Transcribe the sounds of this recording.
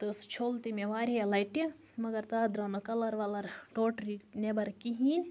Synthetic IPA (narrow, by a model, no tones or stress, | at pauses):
t̪ɨst͡ʃʰoːlt̪imeʋaːɾijɐlɐjʈi | mɐɡɐɾt̪aːd̪ɾɐnɐkɐlɐɾʋɐlɐɾʈoːʈɾinebɐɾkiɦiːn